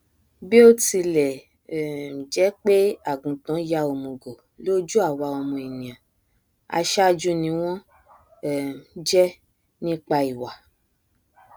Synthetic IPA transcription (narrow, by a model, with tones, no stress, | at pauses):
bi˦o˦ti˧lɛ˨ | d͡ʒɛ˨˦k͡pe˦a˨ɡũ˨tã˨˦ja˧o˨mõ˨ɡo˨ | lo˦d͡ʒu˦a˦˨wa˧ɔ˧mɔ̃˧e˨nĩ˨ã˨ | a̰˧ʃa˦d͡ʒu˦nĩ˧w̃ɔ̃˦˨˦ | d͡ʒɛ˦ | nĩ˦k͡pa˧i˨wa˨